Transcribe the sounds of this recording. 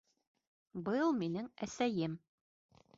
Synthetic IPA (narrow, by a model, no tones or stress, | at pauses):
bɤlˠminɘŋæsæjɘm